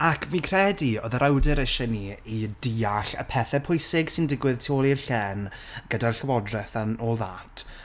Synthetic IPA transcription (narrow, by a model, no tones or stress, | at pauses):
akʰvikʰrɛdiɔðəɾawdɛɾəʃɛniidiːaɬə̰pʰɛθɛpʰʊjsɪɡsɪndɪɡwɪðtʰoːlˠirɬɛnɡ̥ədarɬəwɔdrɛθanoːlˠða̰ːtʰ